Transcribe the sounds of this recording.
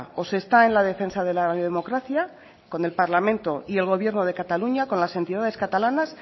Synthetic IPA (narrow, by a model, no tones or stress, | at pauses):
o̞se̞st̪ae̞nlað̞e̞fe̞nsað̞e̞laðemo̞kɾaθja | ko̞ne̞lpaɾlamẽ̞nt̪o̞ie̞lɣ̞o̞β̞je̞ɾno̞ð̞e̞kat̪aluɲako̞nlase̞nt̪iðað̞e̞skat̪alanas